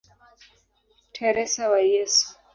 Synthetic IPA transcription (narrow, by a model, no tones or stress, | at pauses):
tʰɛɾɛsawajɛsu̥